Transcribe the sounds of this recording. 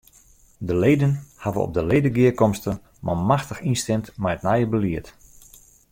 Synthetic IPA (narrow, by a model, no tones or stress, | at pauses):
dəlejdənhavəɔ̰p̚dəlejdəɡɪəkɔmstə | mamaxtəxinstɛmtmɛjətnajəbəliət